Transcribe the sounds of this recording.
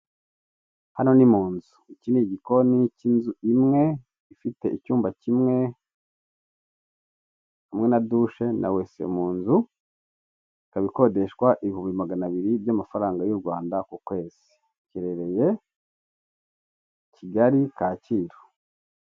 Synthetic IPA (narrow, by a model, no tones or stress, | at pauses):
hano̞nimuːnzuiciniɟiko̞nicinzuimŋe̞ | ifite̞icuːmbacimŋe̞ | hamŋe̞naduʃe̞na̰we̞se̞̰umuːnzu | kaβiko̞de̞ʃkwaʔiβihumbimaɡanaβiɾibjamafaɾaːŋɡajuɾɡwaːndakukwe̞ːz̥i̥ | ciɾe̞ɾe̞je̞ | ciɡaɾikaːciːɾo̥